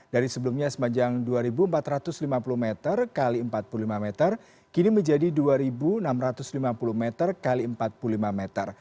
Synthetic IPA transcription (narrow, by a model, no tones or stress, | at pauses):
d̥aɾisəbəlumɲasə̥maɲd͡ʒaŋduaɾibuəmpat̪ɾat̪ʊslimapuluhmɛt̪ərkaliəmpat̪̚pululimamɛt̪ər | kiniməɲd͡ʒadiduaɾibunamɾat̪ʊslimapulumɛt̪ərkaliəmpat̪̚puulimamɛt̪ər